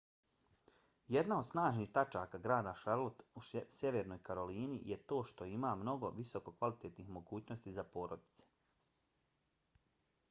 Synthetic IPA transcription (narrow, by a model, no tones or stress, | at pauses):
je̞d̪nao̞d̪snaːʒnixt̪at͡ʃaːkaɡɾaːd̪aʃaɾlˠot̪usje̞ʋeɾno̞jkaɾo̞liːnije̞t̪o̞ːʃt̪o̞imaːmno̞ɡo̞̰ʋiso̞ko̞kʋalit̪eːt̪nixmo̞ɡuːt͡ɕnost̪izapo̞ːɾod̪i̥t̪se̥